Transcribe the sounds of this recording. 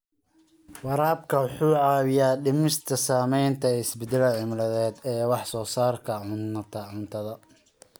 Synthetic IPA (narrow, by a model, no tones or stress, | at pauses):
wɑɾaːb̚kʰɐwħuːʕɑːwɪjaːɖɪmɪst̪ʰɐsaːmɛjnt̪ʰɐɪsbɛd̪ɛlɐʕɪmlɐðɛːd̪ɛːwɑħsɔːsaːrkʰɐʕʊnt̪ʰɐʕʊnt̪ʰɐðɐ